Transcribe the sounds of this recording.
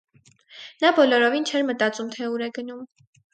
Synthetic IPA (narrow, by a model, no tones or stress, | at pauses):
nɑbɔlɔɾɔvint͡ʃʰɛɾmət̪ɑt͡sumt̪ʰɛuɾɛɡənum